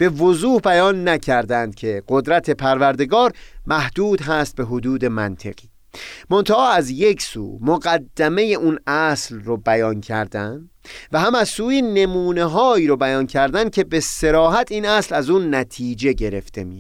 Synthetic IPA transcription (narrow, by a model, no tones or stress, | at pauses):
b̥e̞vozuːhbæjɒːnːæcʰæɾd̪ænd̪̥̚cʰe̞ɢ̥od̪ɾæt̪ʰe̞pʰæɾvæɾd̪e̞ɡɒːɾmæhd̪̥uːd̪ɦæːst̪̚be̞ɦod̪uːd̪e̞mænt̪ʰḛɣ̥iː | mont̪ʰæʔɒːæzje̞kʰsṵːmoɡæd̪ːæme̞je̞ʔuːnæslrobæjɒːncʰæ̰ɾd̪ænd̪ | væhæmæzsuːjiːne̞muːne̞ɦɒːiːɾobæjɒːncʰæɾd̪æn̥̚kʰe̞be̞se̞ɾɒːɦæt̪ʰiːnæslæzuːnːæt̪ʰiːd͡ʒe̞ɟe̞ɾe̞̰ft̪e̞̰mi